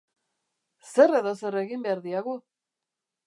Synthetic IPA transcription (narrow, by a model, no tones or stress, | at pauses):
se̞re̞ðo̞se̞re̞ɣimbeaɾðiaɣu